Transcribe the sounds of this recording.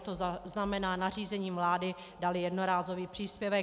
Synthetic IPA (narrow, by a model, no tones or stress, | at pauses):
t̪oaznamɛnaːnar̝iːzɛɲiːmvlaːdɪ | dalɪjɛdnoɾaːzo̞viːpr̥iːspjɛvɛ